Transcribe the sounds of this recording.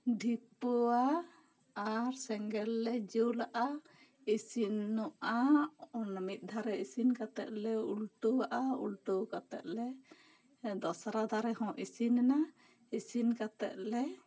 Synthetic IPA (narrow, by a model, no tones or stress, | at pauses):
ɖʱipɔa | aɾsɛŋɡɛlːɛd͡ʒuwlaʔa | isinːɔʔa | namit̪̚d̪ʱaɾɛisinkat̪ɛʔ̪̚lɛulʈuwaʔaṵlʈukat̪ɛ̰ʔ̪̚lɛ | d̪ɔsaɾad̪aɾɛhɔ̃ʔisinɛna | isinkat̪ɛ̰ʔ̪̚lɛ